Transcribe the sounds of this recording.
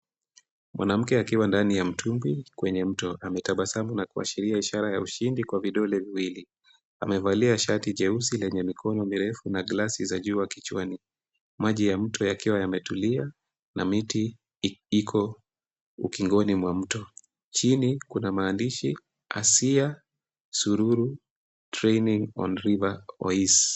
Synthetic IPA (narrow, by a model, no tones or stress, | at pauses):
mwa̰nam̩kɛakiwandanijam̩tʰumbikwɛɲɛm̩tɔʔamɛtaɓasamunakua̰ʃiɾiaiʃaɾajauʃindikwaviɗɔlɛviwili | a̰mɛvaliaʃatiʄɛusilɛɲɛmikʰɔnɔmiɾɛfunaɡlasizaʄuːwakit͡ʃwani | maʄijam̩tʰɔjakiwajamɛtulia | namiti | ikʰɔ | ṵkiŋɡɔnimwam̩tɔ | t͡ʃinikunamaːndiʃi | a̰sia | suɾuɾu | tɾɛjniŋɔ̰nɾivaɔ̰is